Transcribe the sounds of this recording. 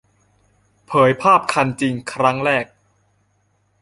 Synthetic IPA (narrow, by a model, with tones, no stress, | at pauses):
pʰɤː˩˦jpʰaː˥˩p̚kʰa˧nt͡ɕi˧ŋkʰɾa˦˥ŋɾɛː˥˩k̚